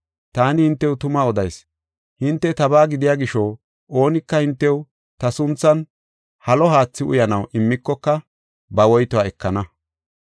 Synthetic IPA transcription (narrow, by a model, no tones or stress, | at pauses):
t̪aːnɪhɪnt̪ːɛwt̪ʊmaːɔd̪ɐjs | hɪnt̪ːɛt̪ɐbaːɡɪd̪ɪjaːɡɪʃɔ | ʔo̞ːnɪkːɐhɪnt̪ːɛw | t̪ɐsʊnt͡sːɐn | hɐlɔɦaːt͡sːɪʔʊ̰jɐnɐwʔɪmːɪkːɔkːɐ | bɐwɔjt̪ɔaɛkːɐnɐ